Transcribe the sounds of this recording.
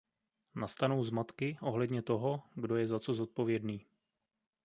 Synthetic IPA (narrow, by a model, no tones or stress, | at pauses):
nast̪anowzmat̪kɪʔo̞ɦlɛdɲɛt̪o̞ɦo̞ɡdo̞jɛzat͡so̞zo̞t̪̚po̞vjɛdniː